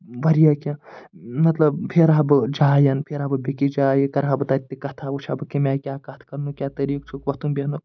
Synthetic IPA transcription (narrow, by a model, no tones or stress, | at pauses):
ʋɐɾijakʲẽmɐt̪lɐbpʰeɾabɨd͡ʒaːjɐnpʰeɾaːbɨbʲekid͡ʒaːjikɐɾɦabɨt̪at̪ːikɐt̪ʰaːbut͡ʃʰabɨkimʲaːjkʲaːkɐt̪ʰkɐɾnukʲaːt̪ɐɾiːkt͡ʃʰukʋɐt̪unbeɦnu